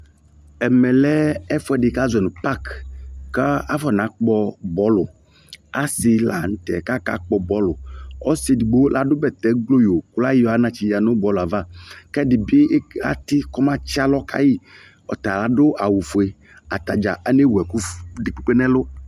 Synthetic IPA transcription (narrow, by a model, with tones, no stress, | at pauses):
ɛ˨mɛ˨lɛ˦ɛ˦fɔ˦ɛ˦dɪ˨ka˦zɛ˨nʊ̃˨pa˦kka˦a˦fɔ˦˨nã˨˦k͡pɔ˧bɔ˨˦lʊ˨ | a˦sɪ˨la̰˨n̩˨˦t̪ɛ˨ka˦ka̰˦k͡pɔ˨bɔ˦lʊ˨ɔ˦si˦di˨ɡ͡bo˦la˦dʊ˦bɛ˨t̪ɛ˨ɡlo˦jo˨kʊ˦la˦ji˦ɔ˨˦a˨˦nã˦t͡ʃi˨ja˨nʊ˦bɔ˨˦la˨va˦˨kɛ˦dɪ˨bɪ˦a̰˨˦t̪ɪ˦kɔ˦mã˦t͡ʃi˦a˦lɔ˦kʰa̰˦ji˦ | ɔ̰˨t̪a˨la˨dʊ˦ʔa˨wu˨fu˨e˨ | a˨t̪a˨d͡ʒa̰˨ʔa˨ne˦wɛ˨ku˦dɪ˨k͡pu˦k͡pe˦nɛ̃˦lʊ˦